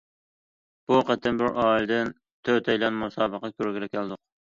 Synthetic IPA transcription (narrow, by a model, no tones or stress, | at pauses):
b̥uqʰæt̪ʰɪnbɪɾʔɑːild̪ɪn | t̪ʰøt̪ʰɛjlɛnmusɑːbəqɑkʲøɾɡʲɪɾɛkʲæld̪ʊq